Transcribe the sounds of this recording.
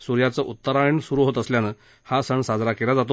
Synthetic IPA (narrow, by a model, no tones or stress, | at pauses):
suɾjat͡səʔut̪ːəɾaiɳsuɾuɦot̪əsljanə | hasəɳsad͡zɾakelad͡zat̪̬o